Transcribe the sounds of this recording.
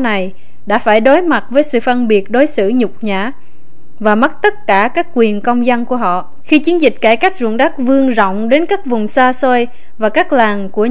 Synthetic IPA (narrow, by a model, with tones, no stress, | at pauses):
na˨˩j | ɗa̰ː˧˥faː˧˩jɗo˨˦jma˨˩t̚vəː˨˦jsɨ̰˧˨fə˧nɓi˨˩ət̚ɗo˨˦jsɨ̰˧˨ɲʊ˨˩k͡p̚ɲaː˧˩˨ | vaː˨˩mə˦˥t̚t̪ə˦˥t̚kaː˧˩kaː˦˥kːwi˨˩ənkə˧wŋ͡mza˧nku˧˩əɦɔ̰˧˨ | xi˧t͡ɕi˨˦ənzï˨˩k̟̚kaː˧˩jka˦˥jk̟̚zṵ˧˨nɗa˦˥k̚vɨ˧əŋzɔ̰˧˨wŋ͡mɗe˨˦nkaː˦˥k̚vʊ˨˩ŋ͡msaː˧so˧j | vaː˨˩kaː˦˥k̚laː˨˩ŋku˧˩ə